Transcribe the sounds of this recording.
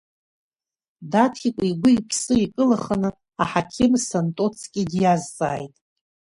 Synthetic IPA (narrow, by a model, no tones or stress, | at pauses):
datʰχikʷʼiɡʷʊipʰsɨikʼɨlaχanɨ | aħakʲʰɪmsantʼot͡sʰkʲʼɪdjazt͡sʼa̰ːjtʼ